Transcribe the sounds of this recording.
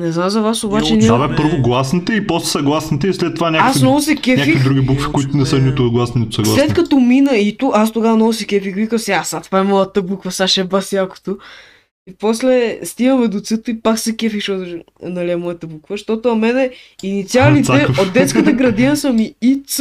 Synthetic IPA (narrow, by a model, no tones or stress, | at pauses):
nɛznamzɐvasobaɛniavɛpɤɾvoɡlˠasnit̪əipɔslɛ̥sɐɡlˠasnit̪əislɛt̪ːovanʲaasnɔvʊsɛkʲɛɲʲakfiid̪ɾuɡʲibukfi̥kʊit̪ʊnɛsənit̪ʊɡlˠasninit̪ʊ̥sɐɡ̪slˠaslɛt̪kɐt̪ɔminəit̪uast̪oɡavɐnɔvʊsɛkɛfikvikəmsiasat̪vaɛmɔjət̪əbukvɐsaʃɛbasjako̥t̪o | ipɔslɛst̪iɡəmɛd̪ot̪sət̪oipaksɛkɛfiʃot̪ | nɐliɛmɔjɐt̪əbukvəʃt̪ot̪ʊɐmɛnɛinit̪sialit̪ɛod̪̚d̪ɛt̪skət̪əɡɾɐd̪iəsɐmiit̪s